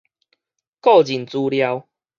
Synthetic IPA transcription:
kɔ˥˨d͡ʑi˨˩nt͡su˧lja˧w

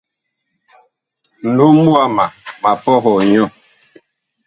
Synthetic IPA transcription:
nu˨˦mu˦a˦˨ma˨ma˨pɔ˦ɦɔ˨ɲɔ˦˨

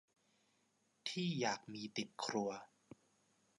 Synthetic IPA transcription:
t̪ʰiː˥˩jaː˨˩k̚miː˧t̪i˨˩t̪̚kʰɾu˧ɐ

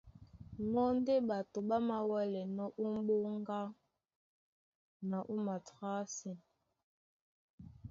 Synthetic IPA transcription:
mɔ˦n˦de˦ɓa˨to˨ɓa˦ma˨wɛ˦lɛ˨nɔ˦ʔu˦m˦ɓo˦ŋ˦ɡa˦ | na˨ʔu˦ma˨ta˦sɛ˨n

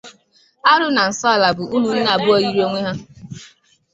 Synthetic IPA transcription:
a˦ɾʊ˦na˨n̩˨sɔ˦˨la˨bʊ˨ʔu˦mʊ˨n̩˦na˨bʊ˦ɔ˨ji˦ɾo˦ŋʷe˦ɦa˦

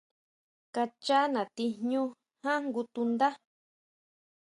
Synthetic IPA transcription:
ka˧t͡ʃa˦nã˨t̪i˧ɲɲũ˦ | hã˦ŋɡu˧t̪u˧nd̪a˦

